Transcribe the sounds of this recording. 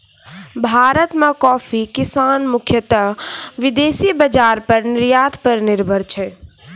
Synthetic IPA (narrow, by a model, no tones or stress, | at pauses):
bʱaːɾət̪mẽkɔːfʰikɪsaːnmʊkʰjət̪əʋɪd̪eːsibəd͡ʒaːɾpəɾnɪɾjaːt̪pəɾnɪɾbʱəɾt͡ʃʰɛ